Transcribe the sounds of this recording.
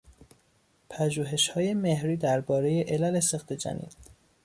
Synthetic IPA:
pʰæʒuːɦe̞ʃhɒːje̞mehɾiːd̪æɾbɒːɾe̞je̞ʔelælesext̪ʰed͡ʒæ̰nḭːd̪̥̚

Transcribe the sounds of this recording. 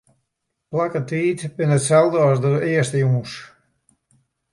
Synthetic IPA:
plakətiːtbɪnətsɛlˠdəɔsdəɪəstəjuŋs

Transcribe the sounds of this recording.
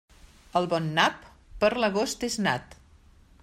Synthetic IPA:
əlˠβɔnːapː | əɾləɣost̪ezna̰t̪

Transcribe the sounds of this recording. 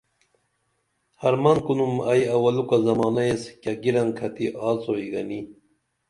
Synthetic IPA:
hɐɾmɐnkunumɐjɐwɐlukazɐmɑːnɐeskaɡiɾɐnkʰɐt̪iʔɑːt͡soiɡɐni

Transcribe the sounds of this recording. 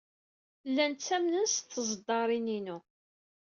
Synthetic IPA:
lːænt͡sːæmnənsθəzˤd̪ːɑɾˤininu

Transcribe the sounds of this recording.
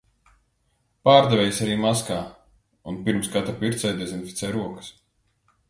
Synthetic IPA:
paːɾd̪ɛvʲɛjsaɾiːmaskaː | unpiɾmskat̪ɾapiɾt̪sɛjd̪ɛzinfit̪sɛjɾuɔkə̥s

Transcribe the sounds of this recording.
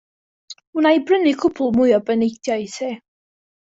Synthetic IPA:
unajbrənikʰʊpʰʊlˠmʊjɔbənejdʰjajseː

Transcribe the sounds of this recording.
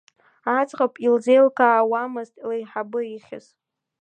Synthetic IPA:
at͡sʼʁapʼild͡ze̞jlkʰaːwamɨztʼlajħabɨiχʲɪ̰z

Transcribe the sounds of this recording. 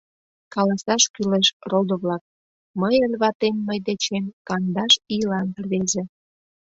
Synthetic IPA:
kɑlɑsɑʃkyleʃrold̪oβlɑk̚ | məjəlʲβɑt̪emːəjd̪et͡ɕemkɑnd̪ɑʃilɑnpərβezĕ

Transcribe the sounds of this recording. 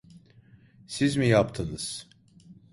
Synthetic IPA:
sizmijapt̪ʰɯnɯz̥

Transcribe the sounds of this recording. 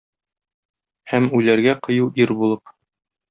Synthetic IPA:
hæmʉlæɾɡæqɤ̆juwʔiɾbulˠɤp

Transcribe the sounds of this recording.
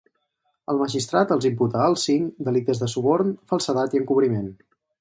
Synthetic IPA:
əlˠməʒist̪ɾat̪əlˠzimput̪əːlˠsiŋd̪əlik̚t̪əzðəsuβɔɾnfəlˠsət̪at̪iəŋkuβɾimen

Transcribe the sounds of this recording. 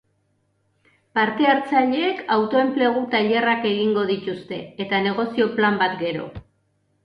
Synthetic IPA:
paɾt̪e̞eɾt͡saʎeːkawt̪o̞e̞mple̞ɣ̞ut̪aʎe̞rake̞ɣiŋɡo̞ð̞it̪ust̪e̞ːt̪ane̞ɣ̞o̞sio̞plambat̪ɡe̞ɾo̞̰

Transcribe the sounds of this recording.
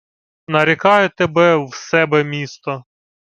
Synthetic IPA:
nɐɾʲɪkɑjet̪ebɛwsɛbɛmʲist̪ɔ

